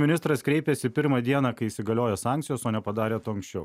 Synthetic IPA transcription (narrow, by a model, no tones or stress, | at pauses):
mʲɪnʲɪst̪ɾɐskɾʲɛɪpʲɛsʲɪpʲɪɾmɑd̪ʲiɛnɑːkɐɪiːsʲɪɡɐlʲoːjɛsɑːŋʲkt̪sʲɪjoːsoːnʲɛpɐd̪ɑːɾʲeːt̪uːɐŋksʲt͡ʃʲɛʊ